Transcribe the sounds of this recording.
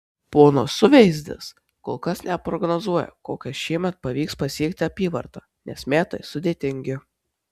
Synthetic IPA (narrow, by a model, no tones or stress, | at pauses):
poːnoːsʊʋʲɛɪzʲd̪ʲɪ̰s | koːlˠkɐsnʲɛpɾɔɡnozuɔjɛ̰koːkʲɛʃʲiɛmʲɛt̪̚pɐʋʲiːkspɐsʲiɛkt̪ʲɪɐpʲiːʋɐɾt̪ɑːnʲɛsmʲæːt̪ɐɪsʊd̪ʲeːt̪ʲɪŋʲɡʲɪ